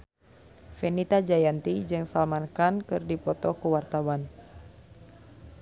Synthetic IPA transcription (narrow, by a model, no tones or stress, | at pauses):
fɛnit̪ad͡ʒajant̪id͡ʒɨŋsalmankankɨrdipɔt̪ɔkuwart̪awan